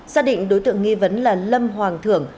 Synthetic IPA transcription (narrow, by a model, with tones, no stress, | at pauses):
z̥aː˧ɗḭ̈˧˨ŋ̟ɗo˨˦jt̪ɨ̰˧˨əŋːi˧və˨˦nlaː˨˩lə˧mɦwaː˨˩ŋt̪ʰɨ˧˩əŋ